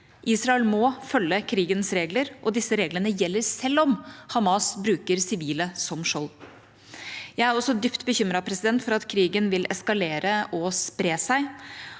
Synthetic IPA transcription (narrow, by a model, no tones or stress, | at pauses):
ʔiːsɾɑɛlmɔfœlːəkʰɾiːɡənsɾeːɡləɾʔɔd̪ɪsːəɾeːɡlənəjɛlːəɾsɛlːɔmhɑmɑsbɾʉːkəɾsɪʋiːləsɔmʂɔl | jæɪæɾɔsːɔd̪ʏpt̪bəçʏmɾɑpʰɾɛsɪd̪ɛnt̪fɔɾɑt̪kʰɾiːɡənʋɪlɛskɑleːɾəɔspɾeːsæɪ